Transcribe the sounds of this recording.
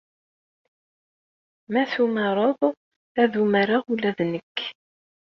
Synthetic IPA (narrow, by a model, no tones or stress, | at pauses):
mæθumɑɾˤəðˤ | æðumaɾaʁulæðnəkː